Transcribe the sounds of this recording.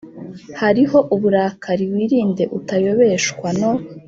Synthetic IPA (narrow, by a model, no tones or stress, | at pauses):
haɾiɦo̞ʔuβuɾaːkʰaɾiwiːɾiːnde̞ʔutajo̞βe̞ʃkwano